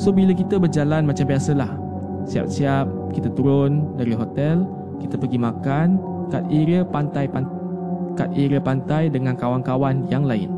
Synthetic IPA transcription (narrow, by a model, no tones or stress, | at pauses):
sobilakit̪əbərd͡ʒalanmat͡ʃambiasəlah | sia̰p̚siap̚ | kit̪at̪uɾʊndaɾiɦot̪ɛl | kit̪əpərɡimãkan | kat̪̚iɾəpant̪ajpa | ka̰t̪̚iɾəpant̪ajdəŋãnkawankawanjaŋlaɪ̰n